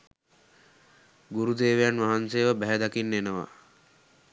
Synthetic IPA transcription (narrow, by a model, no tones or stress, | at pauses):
ɡuɾud̪eːʋejanʋaɦanseːʋəbæɦæd̪akinːenəʋa̰